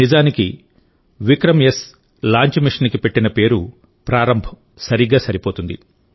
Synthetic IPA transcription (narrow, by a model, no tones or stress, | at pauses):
id͡ʒaːniki | ʋikɾɐmes | laːɲt͡ʃmiʂɐnikipe̞ʈːinɐpe̞ːɾu | pɾaːɾɐmbʱɐm | sɐɾiɡaːsɐɾipo̞ːt̪und̪ḭ